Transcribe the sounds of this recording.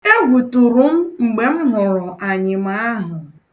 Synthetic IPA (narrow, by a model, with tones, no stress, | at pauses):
e˦ɡʷu˨tu˨ɾu˦m̩˦ŋ͡m̩˨ɡ͡be˨m̩˦ɦʊ˨ɾʊ˨ʔa˨ɲɪ˨ma˦a˦ɦʊ˨